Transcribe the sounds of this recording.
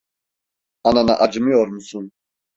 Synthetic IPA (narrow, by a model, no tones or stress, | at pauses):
anana̰ʔad͡ʒmiɔɾmsun